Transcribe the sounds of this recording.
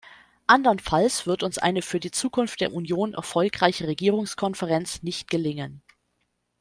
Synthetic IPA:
ʔandɐnfalsv̥ɪɐtʊnsʔa̰ɪnəfyːɐdiːt͡suːkʰʊnftd̥eːɐʔunjoːnʔɛ̰ɐfɔlkʁ̥aɪçəʁeɡiːʁ̞ʊŋskʰɔnfəʁɛnt͡snɪçt̚ɡ̥əlɪŋən

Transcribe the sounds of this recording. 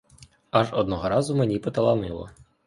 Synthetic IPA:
aʒɔd̪̚nɔɦɔɾɑzʊmenʲipɔt̪ɐlˠɐnɪ̰lˠɔ̰

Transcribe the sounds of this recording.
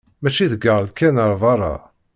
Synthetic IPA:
mæt͡ʃiðəɡɑɾˤðkʰænəɾˤvˤɑɾˤɑ̰

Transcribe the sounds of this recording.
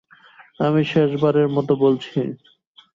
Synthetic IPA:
amiʃeʃbaɾeɾmɔt̪obolt͡ɕʰi

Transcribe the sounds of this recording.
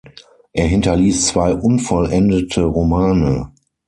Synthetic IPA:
ʔeːɐɦɪntɐliːst͡sv̥aɪʔʊnfɔlʔɛndətʰəʁomaːnə

